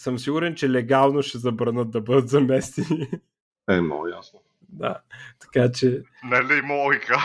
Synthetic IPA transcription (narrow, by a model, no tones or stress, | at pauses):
sɤmsiɡʊɾɛnt͡ʃɛlɛɡalˠnoʃɛzɐbɾɐnɤt̪̚d̪ɐbɤd̪ət̪zɐmɛst̪i | ɛmnɔ̰ɡʊjasno | d̪a̰t̪ɐ̥kat͡ʃɛnɐlimɔikə